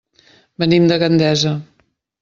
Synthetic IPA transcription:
bənimd̪əɣənd̪ɛzə

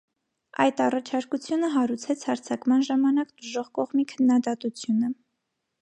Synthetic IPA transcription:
ɑjt̪ɑrɑt͡ʃʰɑɾkut͡sʰjunəɦɑɾut͡sʰɛt͡sʰhɑɾt͡sʰɑkmɑnʒɑmɑnɑkt̪əʒɔʁkɔʁmikʰənːɑd̪ɑt̪ut͡sʰjunə

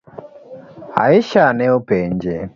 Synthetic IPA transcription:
a̰iʃanɛopɛɲd͡ʒɛ

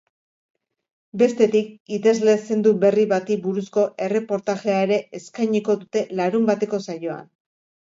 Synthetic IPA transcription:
be̞st̪e̞t̪ikit̪e̞zle̞se̞nd̪uβe̞riβat̪ibuɾusko̞ʔe̞re̞po̞ɾt̪aʝe̞aeɾe̞ʔeskajɲiko̞ðut̪e̞laɾumbat̪e̞ko̞sajo̞a̰n

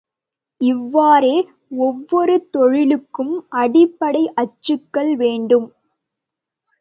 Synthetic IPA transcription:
ɪʋːaːɾeː | ɔʋːɔɾɯt̪ɔɻɪlɯkːɯmʔɐɽɪpːɐɽɐɪʔɐt͡ʃːɯkːɐɭʋeːɳɖɯm

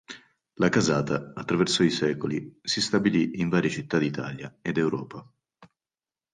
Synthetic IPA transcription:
lakazaːt̪aːt̪ːɾavɛrsoisɛːkolisist̪abiliiɱvaːɾjet͡ʃit̪ːad̪it̪a̰ːlja̰ed̪ewɾɔːpa

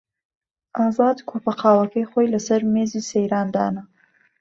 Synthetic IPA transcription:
ɑzɑd̪kʰopaqɑwakexojlasaɾmezisejɾɑnd̪ɑ̰na

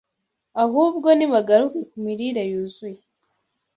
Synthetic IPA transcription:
ahuːβɡo̞niβaɡaɾukekumiɾiɾajuzue

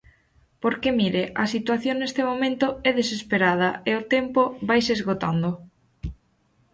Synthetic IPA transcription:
poɾkemiɾeʔɐsit̪waθjoŋnest̪emomẽnt̪ʊɛðesespeɾað̞ɐeʊt̪ɛmpoβajsezɣot̪and̪o

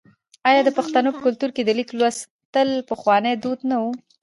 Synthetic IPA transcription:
ɑjɑd̪əpaxt̪anopəkʊlt̪uɾked̪əliklwas | t̪əlpəxwɑnəd̪ud̪nawu

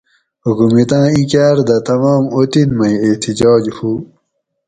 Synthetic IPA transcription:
ukumit̪ãːĩkaːɾd̪ɐt̪ɐmɑːmot̪inmɐ̃jet̪id͡ʑɑːd͡ʑhu

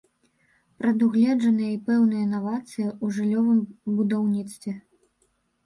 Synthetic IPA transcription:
pɾɐd̪uɣlʲɛd͡ʐɐnɨjɐipɛwnɨjɐnavat̪sɨjiuʐɨlʲːɔvɨmbud̪awnʲit̪st̪vʲɛ

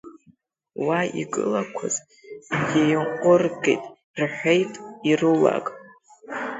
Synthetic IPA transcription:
waḭɡɨ̰lakʷʰaz | jajɴqʷʼʊrɡḛjtʼ | rħʷejtʼirɨla̰kʼ

